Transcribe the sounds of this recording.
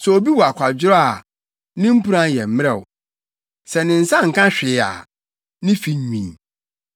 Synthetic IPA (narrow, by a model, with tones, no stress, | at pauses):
sɛ˨o˨bi˦wɔ˨a˨kʷʰa˨d͡ʑɪ˦ɾɔ˦a˨ | nɪ̃˦m̩˦pu˦ɾã˦n˨jɛ˨m̩˦m˦ɛ˦˨w | sɛ˨nɪ̃˨n̩˨sã˦ŋ̩˨kʰã˦ɕᶣɪ˨˦˨a̰˨ | nɪ̃˦fi˦ɲĩ˨